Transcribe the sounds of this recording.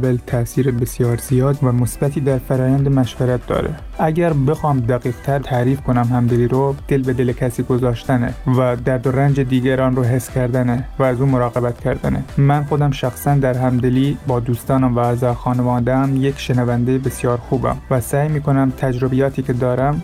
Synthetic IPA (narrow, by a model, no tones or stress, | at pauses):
belt̪ʰæsiːɾebesjɒːɾz̥ijɒːd̪væmosbæt̪ʰiːd̪æɾfæɾɒːjænd̪emæʃvæɾæt̪̚d̪ɒ̰ːɾe | ʔæɡʲæɾbe̞xɑːmd̪æɣiːqt̪ʰæɾt̪ʰæɾiːfkʰonæmhæmd̪eliːɾod̪̥elbed̪elekʲʰæsiːɡozɒːʃt̪ænevæd̪æɾd̪oɾænd͡ʒed̪iːɡæɾɒːnroɦe̞sːkʲʰæɾd̪ænevæːzuːmoɾɑːɣebæt̪kʲʰæɾd̪ænemænxod̪æmʃæxsænd̪æɾɦæmd̪eliːbɒːd̪uːst̪ɒːnæmvææzɒːxɒːnevɒːd̪eæmjekʃenævænd̪ejebesjɒːɾxuːbæ̰mvæsæːjmiːkʰonæmt̪ʰæd͡ʒɾobijɒːt̪ʰiːkʰed̪ɒːɾæm